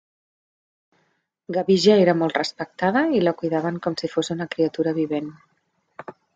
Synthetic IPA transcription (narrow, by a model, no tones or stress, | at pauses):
ɡaβiʒaeɾəmɔlˠt̪rəspək̚t̪aðəiləkujðaβəŋkɔmsifosunəkɾiət̪uɾəβiβen